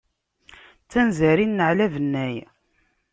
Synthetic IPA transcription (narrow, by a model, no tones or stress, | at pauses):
t͡sːænzæɾinːəʕlævənːæj